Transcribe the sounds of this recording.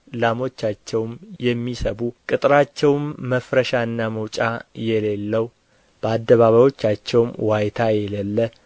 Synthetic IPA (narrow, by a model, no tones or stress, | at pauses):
lamo̞t͡ʃːat͡ʃːɛwmjɛmːisəβukʼɨt̪ʼɾat͡ʃːɛwmːəfɾəʃaɨnːaməwt͡ʃʼajɛlelːəw | b̥əad̪ːəβaβajo̞t͡ʃːat͡ʃːɛwmwajt̪ʰajɛlelːə